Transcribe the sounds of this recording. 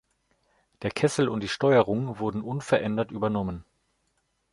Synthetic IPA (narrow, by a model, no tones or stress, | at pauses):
d̥eːɐkʰɛsl̩ʊnt̚d̥iːʃtɔʏəʁ̞ʊŋvʊɐdn̩ʔʊnfɛɐʔɛndɐtʔyːbɐnɔmən